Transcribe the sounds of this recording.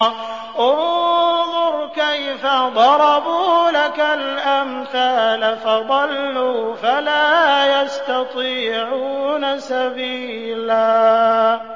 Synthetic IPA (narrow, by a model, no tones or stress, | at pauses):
ʔʊnðˤʊɾkajfad̪ˤɑɾˤɑbuːlakalʔamθaːlafɑðˤɑlːuːfalaːjast̪ɑt̪ˤiːʕuːnasabiː | laː